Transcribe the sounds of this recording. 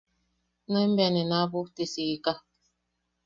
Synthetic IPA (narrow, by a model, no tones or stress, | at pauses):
nəm̩bɛnenabutesiɡika